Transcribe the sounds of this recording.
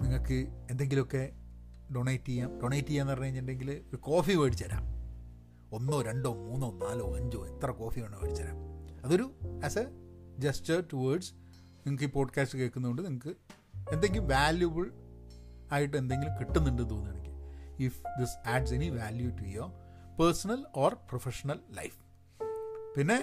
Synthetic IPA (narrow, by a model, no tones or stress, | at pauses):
niŋːɐɭkːɨend̪e̞ŋɡilo̞kːe̞ | ɖoɳejtːijaːmɖoɳejtːijɐenːɐpɐrɐɲːɐɐɲːɳɖeŋɡilɨoɾuko̞ːfiʋɐɽit͡ɕːɐɾa̰ːm | o̞nːoːɾeɳɖo̞ːmuːnːonːaːloːɐɲd͡ʑo̰ːit̪ːrɐko̞ːfioːɳːɨʋɐ̰ɽit͡ɕːɐɾa̰ːmɐðo̞ɾuɐsɐ | d͡ʑestɐrʈuʋɐːɖs | niŋɐkːiːpo̞ːɖkaːstɨke̞ːkːunːuko̞ɳɖɨniŋɐkːɨ | e̞nd̪eŋɡilumʋaːljubɐɭ | aːjiʈːɨe̞nd̪e̞ŋɡilumkiʈːunːuɳɖɨt̪oːnːuɐɳikʲːɨifd̪isaːɖse̞niʋaːljutujopɐrsɐnɐloːrprofeʂɐnɐlːɐ̰jf | pinːe̞